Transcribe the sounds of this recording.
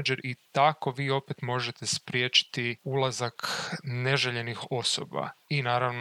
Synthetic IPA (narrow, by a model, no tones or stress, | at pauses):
ad͡ʒeɾʔit̪ako̞ʋiːo̞pet̪mo̞ʒet̪espɾjeːt͡ʃi̥t̪iulˠazakne̞ʒeʎe̞nixo̞so̰ba̰inaːɾaʋno